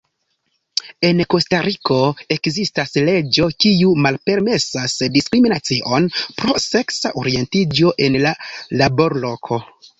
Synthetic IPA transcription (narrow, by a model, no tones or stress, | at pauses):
e̞nko̞staɾikʰo̞e̞kzistasle̞d͡ʒo̞kiumalpe̞ɾme̞sasdiskɾiminat͡siʔo̞npɾo̞se̞ksaʔoɾie̞ntid͡ʒo̞ʔe̞nlalabo̞ɾlo̞kʰo̞